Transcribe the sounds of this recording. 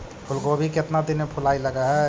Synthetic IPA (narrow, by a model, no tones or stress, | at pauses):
pʰulkoəbʱiket̪nad̪inepʰulailəɡaɦɛ